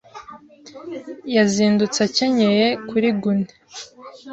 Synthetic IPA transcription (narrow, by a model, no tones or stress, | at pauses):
jaziːndut͡saceɲejekuɾiɡune